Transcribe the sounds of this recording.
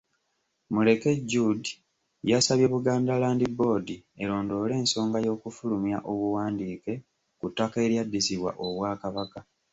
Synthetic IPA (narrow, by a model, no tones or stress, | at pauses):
mule̞ke̞ɟudi | jasaβje̞βuɡaːndalaːndibo̞ːdie̞ɾo̞ːndo̞ːle̞ːnso̞ːŋɡajo̞ːkufulumjaʔo̞βuwaːndiːke̞ | kutːake̞ɾjadːisiβwa̰ʔo̞βwaːkaβaka